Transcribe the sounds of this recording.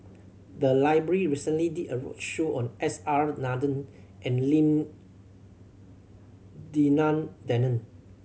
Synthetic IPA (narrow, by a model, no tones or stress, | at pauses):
d̪əlaɪbɹəɹiɹisə̃nliditəɹɔ̰ʃoʔɔ̃nʔɛsaɹnadə̃nʔɛ̃nlĩm | dinãndɛnə̃n